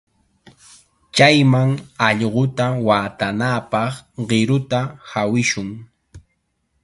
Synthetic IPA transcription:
t͡ʃajmaŋɑʎɢot̪awaːt̪anaːpɑχɢɪɾʊt̪ahawɪʃʊŋ

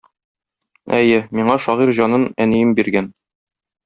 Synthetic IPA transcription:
æjɘmiɴɑʃɒʁiɾʑɒnɤnænijɘmbiɾɡæn

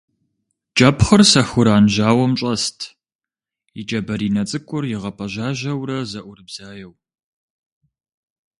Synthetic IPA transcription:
t͡ʃʼɐpχɐrsɐxʊɾaːnʒaːwɐmt͡ʃʼɐstʰ | jɪt͡ʃʼɐbɐɾiːnɐt͡sʼɨkʷʼʊrjɪʁɐpʰɐʑaːʒɐwɾɐzɐʔʷʊrɨbz̥aːjɛw

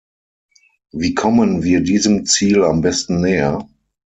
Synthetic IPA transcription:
viːkʰɔmənviːɐdiːzəmt͡siːlambɛstn̩nɛːɐ

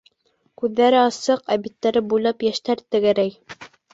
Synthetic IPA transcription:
kʉðːæɾɘɑsɤqæβit̪ːæɾɘbujlˠɑpjæʃt̪æɾt̪ɘ̆ɡæɾæj

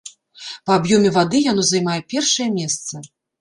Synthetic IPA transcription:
pɐabjɔmʲɛvad̪ɨjanɔzajmajɛpʲɛrʂɐjɐmʲɛst̪sɐ

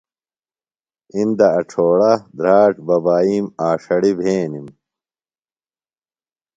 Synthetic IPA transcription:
ind̪ɐɐʈ͡ʂʰoːɽɐd̪ɾaːʈbɐbaːiːmaːʂɐɽibʱeːnim

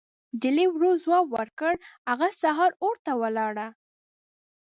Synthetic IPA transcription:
dɪlewɾozwɑbwəɾkəɽhaɣasaɦɑɾoɾt̪awəlɑɽa

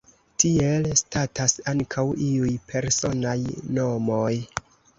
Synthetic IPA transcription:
tie̞lstatʰasaŋkʰawʔiujpʰe̞ɾso̞najno̞moj

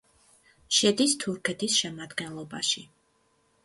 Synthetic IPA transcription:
ʃɛd̪ist̪ʰuɾkʰɛt̪ʰisʃɛmad̪ɡɛnlˠɔbaʃi

